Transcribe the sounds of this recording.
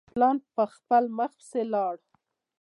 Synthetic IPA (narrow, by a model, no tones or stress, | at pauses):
plɑnpəxpəlməxpselɑɽ